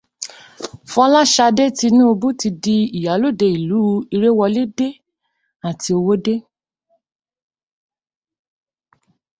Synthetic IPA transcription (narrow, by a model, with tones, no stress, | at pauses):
fɔ˧˦la˦ʃa˧de˦ti˧nĩ˦o˧bu˦ti˧di˧i˨ja˨˦lo˦˨de˧˨i˨lu˨˦i˧ɾe˦wɔ˧le˦de˦ | a˨ti˧o˧wo˦de˦